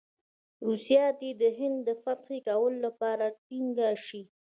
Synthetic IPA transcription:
ɾusjɑt̪ed̪əɦɪnd̪ːəfat̪xekawəlolapɑɾaʈiŋɡaʃi

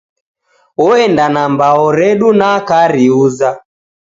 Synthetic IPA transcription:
ɔɛndanambaɔɾɛɗunakaɾiuza

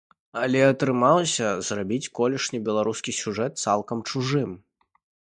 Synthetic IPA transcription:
ɐlʲɛɐt̪ɾɨmaw̪ˠsʲɐzrabʲit͡sʲkɔlʲɛʂnʲibʲɛlˠaɾuskʲisʲuʐɛt̪̚t̪salˠkɐmt͡ʂuʐɨm

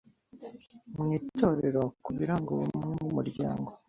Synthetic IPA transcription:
mŋiːto̞ɾe̞ɾokuβiɾaŋɡoβṵmŋemumuɾɟa̰ːŋɡo

